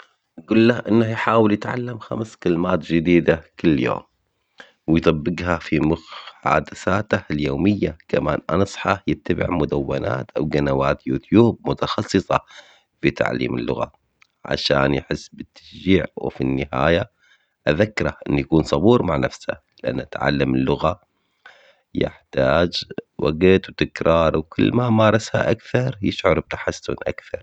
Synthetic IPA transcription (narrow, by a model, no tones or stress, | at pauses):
ʔɡʊlːahʔɪnːahjħaːwɪljɪt̪ʕalːamxamskɪlmaːt̪d͡ʒɪd̪iːd̪akɪlːjo̰ːm | wɪjt̪ˤɑbːɪɡɦafimʊħa̰ːd̪aθaːt̪ahljoːmɪjːakamaːnʔansˤħɑjɪt̪ːabɪ̰ʕmʊd̪awːana̰ːt̪ʔa̰wɡanawaːt̪juːt̪juːb̚mʊt̪ɑxɑsːɨsˤɑ | fit̪a̰ʕlḭːmɪ̰lːʊɣa̰ | ʕa̰ʃaːnjɪħɪsːbɪt̪ʰːḁsd͡ʒiːʕwfinːɪhaːja | ʔaðakːɾˤaʔɪnːjakuːnsˤɑbuːɾˤmaʕnafsha̰ | lɪʔa̰nːʔat̪ʕa̰lːamɪlːʊɣa | jɪ̰ħt̪aːd͡ʒwʔaɡɪt̪wt̪ɪkɾˤɑːɾˤwkʊlːmamɑːɾˤɑsha̰ʔakθɑɾˤjɪʃʕʊɾˤb̚t̪ḁħasːʊ̰nʔa̰kθɑɾˤ